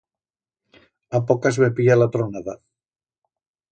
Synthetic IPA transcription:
apokazβepialat̪ɾonaða

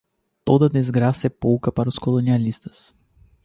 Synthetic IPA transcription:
t̪od̪ɐd̪ezɡɾasɛpowkɐpaɾɐʊskolonialist̪ɐ̥s

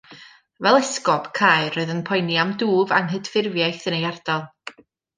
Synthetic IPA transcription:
vɛlˠɛskɔpkʰaːjɨrɔɨðənpʰɔjnjamduːvanɦədfɪrvjajθənejard̥alˠ

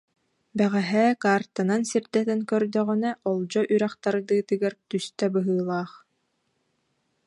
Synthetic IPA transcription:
bæʁæɦɛːkaːɾt̪anansiɾd̪ɛt̪ɛnkœɾd̪œʁynɛʔɔlˠd͡ʑɔʔyɾæχt̪aɾɯd̪ɯːt̪ɯɡaɾt̪yst̪œbɯɦɯːlˠaːχ

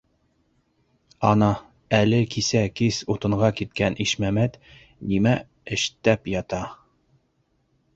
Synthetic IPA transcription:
ɑnɑ | ælɘkisækisut̪ɤ̆ɴʁɑkit̪̚kænʔiʃmæmæt̪ | nimæ | ɘ̆ʃt̪æpjɑt̪ɑ

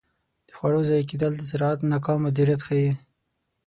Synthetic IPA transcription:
d̪̥əxwaɽozɑjk̬id̪ald̪əsɪɾɑat̪nakɑmad̪iɾjat̪xaji

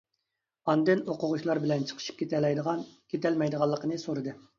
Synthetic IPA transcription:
ɑnd̪ɨnoqʊʁʊʃlˠɑɾbɪlɛnt͡ʃʰə̥qʰə̥ʃi̥p̚kʲʰet̪ɛlɛjd̪ʁɑnkʲʰet̪ʰɛlmɛjd̪əʁɑlˠːəqənɨsoɾɨd̪ɨ

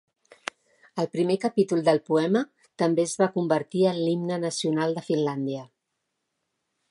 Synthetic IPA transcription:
əlˠpɾimekəpit̪ulˠd̪əlˠpuɛmə | t̪əmbeəzβakumbəɾt̪iənlimnənəsiunalˠd̪əfinland̪iə

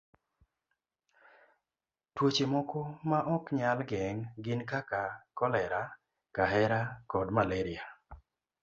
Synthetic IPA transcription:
twot͡ʃemɔkɔmaʔɔkɲalɡɛŋɡɪnkakakɔlɛɾa | kaɦɛɾakɔdmaleɾia

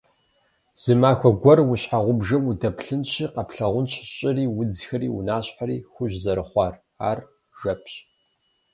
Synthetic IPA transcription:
z̥ɨmaːxʷɔɡʷɐrwʊɕħaʁʷʊbʐɐmudɐpɬɨnɕiːqɐpɬɐʁʷʊnɕʰɕʼɪriːwʊd͡zxɐɾḭːʊ̰naːɕħaɾḭːxʷʊʑzɐɾɨχʷɑːr | aːr | ʒɐpʰɕ

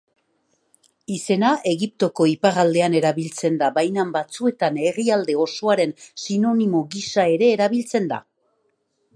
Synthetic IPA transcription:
ise̞nae̞ɣip̚t̪o̞ko̞ipaɾald̪e̞ane̞ɾaβilt͡se̞nd̪abajnambat͡sue̞t̪ane̞riald̪e̞o̞so̞aɾe̞nsino̞nimoɣisae̞ɾe̞ːɾaβilt͡se̞nd̪a̰

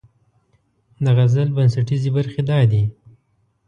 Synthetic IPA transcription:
d̪aɣazəlbans̬aʈizibaɾxed̪ɑd̪i

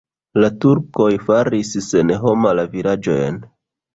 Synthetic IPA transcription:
latuɾko̞jfaɾissenɦo̞malavilad͡ʒo̰jḛn

